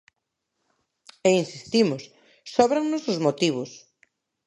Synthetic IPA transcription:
einsist̪imʊsː | ɔβɾaŋnʊsʊzmot̪iβʊs

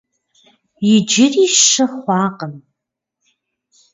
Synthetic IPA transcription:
jɪd͡ʒɪriːʃʂɐχʷɑːqəm

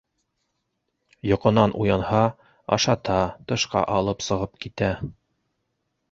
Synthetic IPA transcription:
jŏqɤ̆nɑnʔujɑnhɑ | ɑ̰ʃɑt̪ɑt̪ɤ̆ʃqɑ̰ʔɑlˠɤpsɤ̆ʁɤp̚kit̪æ

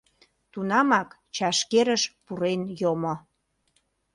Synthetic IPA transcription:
t̪unɑmɑk | t͡ɕɑʃkeɾəʃpuɾenjomo

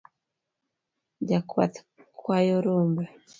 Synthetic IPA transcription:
ɟakwa̰te̥ | kʰwajoɾuːmba

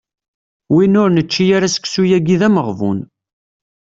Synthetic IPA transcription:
winʊɾnət͡ʃːijaɾasə̥ksujæɡiðæməʁvṵn

